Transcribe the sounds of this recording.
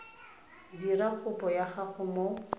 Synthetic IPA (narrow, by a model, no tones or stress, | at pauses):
dirakʰʊpʼɔjaχaχʊmo